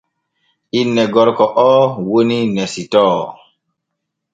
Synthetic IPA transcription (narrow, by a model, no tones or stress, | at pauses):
inːɛɡɔɾkɔʔɔːwoninɛsitɔː